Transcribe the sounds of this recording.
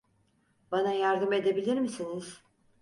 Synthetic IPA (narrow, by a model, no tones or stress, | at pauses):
banajaɾd̪ɯme̞d̪e̞bilʲiɾmisiniz̥